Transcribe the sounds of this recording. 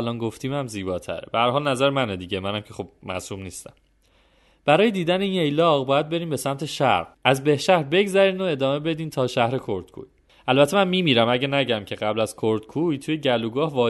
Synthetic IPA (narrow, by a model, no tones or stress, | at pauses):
lɒːnɡo̞ft̪ʰiːmæmziːbɒːt̪ʰæ̰ɾebehæɾɦɒːlnæzæɾemæned̪iːɟemænæmcʰexob̥̚mæ̰suːmniːst̪æ̰m | b̥æɾɒːjed̪iːd̪æneiːne̞jlɒɣbɒːjæd̪̚be̞ɾiːmbe̞sæmt̪ʰe̞ʃæ̰ɾɡæzbe̞hʃæhɾbe̞ɡzæɾiːnoe̞d̪ɒːme̞be̞d̪iːnt̪ʰɒːʃæhɾe̞kʰoɾd̪̥kʰṵːj | ʔælbæt̪ʰːemænmiːmiːɾæmæɟænæɟæmcʰe̞ɣæblæz̥kʰoɾd̪kʰuːjt̪ʰuje̞ɟæluːɡɒːhvɒː